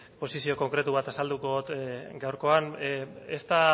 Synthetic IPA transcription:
po̞sisio̞ko̞ŋkɾe̞t̪uβ̞at̪asald̪uko̞ot̪ɡawɾko̞anest̪a

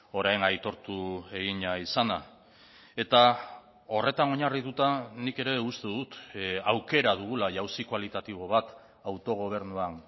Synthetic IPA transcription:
o̞ɾajnajt̪o̞ɾt̪ue̞ɣiɲaisana | e̞t̪a | o̞re̞t̪ano̞ɲariðut̪anike̞ɾe̞ust̪eðut̪awke̞ɾaðuɣulaʝawsikwalit̪at̪iβ̞o̞β̞at̪ | awt̪o̞ɣ̞o̞β̞e̞ɾnuan

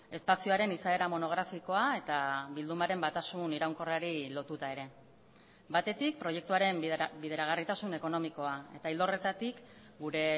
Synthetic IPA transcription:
e̞spasioaɾe̞nisae̞ɾamo̞no̞ɣ̞ɾafiko̞ae̞t̪aβild̪umaɾe̞mbat̪asuniɾawŋko̞raɾilo̞t̪ut̪ae̞ɾe̞ | bat̪e̞t̪ik̚pɾo̞je̞k̚t̪uaɾe̞mbiðeɾaɣ̞arit̪asune̞ko̞no̞miko̞ae̞̰t̪aild̪o̞re̞t̪at̪ik | ɡuɾe̞

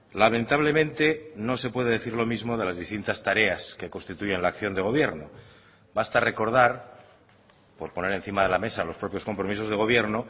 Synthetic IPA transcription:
lamẽ̞nt̪aβle̞mẽnt̪e̞no̞se̞pweðeðeθiɾlo̞mizmo̞ð̞e̞lazðist̪int̪ast̪aɾe̞aske̞ko̞nst̪it̪uʝe̞nlaːkθjo̞nd̪e̞ɣo̞β̞jeɾno | bast̪are̞ko̞ɾð̞aɾ | po̞ɾpo̞ne̞ɾe̞nθimaðe̞lame̞salo̞spɾo̞pjosko̞mpɾo̞miso̞zð̞e̞ɣ̞o̞β̞je̞ɾno

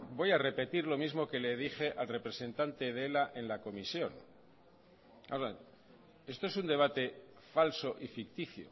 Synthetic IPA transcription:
bo̞jare̞pe̞t̪iɾlo̞mizmo̞ke̞le̞ð̞ixe̞ʔalre̞pɾe̞se̞nt̪ant̪e̞ðe̞laʔe̞nlako̞misjo̞n | a̰oɾa | e̞st̪oe̞s̬und̪e̞β̞at̪e̞ | falso̞ʔifik̚t̪iθjo̰

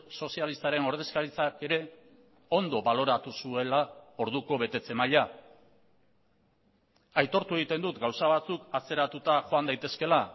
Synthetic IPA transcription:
so̞sialist̪aɾe̞no̞ɾðe̞skaɾit͡sake̞ɾe̞ | o̞nd̪o̞βalo̞ɾat̪usue̞lao̞ɾðuko̞βe̞t̪e̞t͡se̞maʎa | ajt̪o̞ɾt̪ue̞ɣ̞it̪e̞nd̪ut̪ɡawsaβ̞at͡sukat͡se̞ɾat̪ut̪aʝo̞and̪ajt̪e̞ske̞la

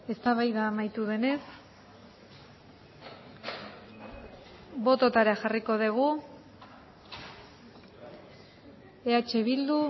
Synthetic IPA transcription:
e̞st̪aβajðaːmajt̪uðe̞ne̞s | bo̞t̪o̞t̪aɾaxariko̞ð̞eɣ̞u | eat͡ʃe̞βild̪u

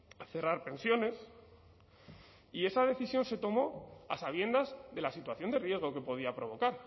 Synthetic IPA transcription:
θe̞raɾpe̞nsjo̞ne̞s | ie̞sað̞e̞θisjo̞nse̞t̪o̞mo̞a̰saβ̞je̞nd̪azðe̞lasit̪waθjo̞nd̪e̞rje̞zɣo̞ke̞po̞ð̞iapɾo̞βo̞kaɾ

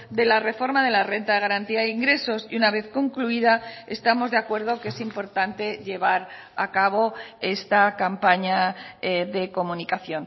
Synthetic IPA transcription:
d̪e̞lare̞fo̞ɾmaðe̞lare̞nt̪aðɣaɾant̪iaeiŋɡɾe̞so̞siunaβe̞θko̞ŋkluiðaest̪amo̞zðe̞akwe̞ɾð̞o̞ke̞simpo̞ɾt̪ant̪e̞ʎe̞βaɾ | a̰kaβ̞o̞e̞st̪akampaɲa | ðe̞ko̞munikaθjo̞n

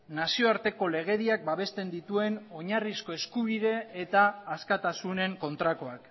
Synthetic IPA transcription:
nasio̞aɾt̪e̞ko̞le̞ɣ̞e̞ðiak̚baβ̞e̞st̪e̞nd̪it̪ue̞no̞ɲarisko̞e̞skuβiðe̞ːt̪aːskat̪asune̞ŋko̞nt̪ɾako̞ak

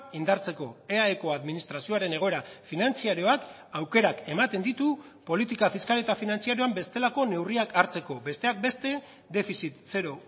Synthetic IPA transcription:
ind̪aɾt͡se̞ko̞e̞aeko̞aðminist̪ɾasio̞aɾe̞ne̞ɣ̞o̞e̞ɾafinant͡siaɾio̞ak | awke̞ɾake̞mat̪e̞nd̪it̪u | po̞lit̪ikafiskalet̪afinant͡siaɾjo̞ambe̞st̪e̞lako̞ne̞wriakaɾt͡se̞ko̞be̞st̪e̞ak̚be̞st̪e̞ | d̪e̞fisit̪se̞ɾo̞

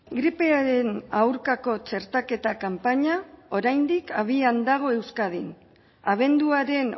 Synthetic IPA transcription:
ɡɾipe̞aɾe̞nawɾkako̞t͡ʃe̞ɾt̪ake̞t̪akampaɲao̞ɾajnd̪ikaβ̞iand̪aɣ̞o̞e̞wskað̞in | aβ̞e̞nd̪uaɾe̞n

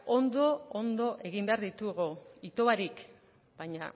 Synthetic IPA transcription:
ond̪o̞ond̪o̞ʔe̞ɣimbe̞aɾðit̪uɣuit̪o̞βaɾik | b̥ajɲa̰

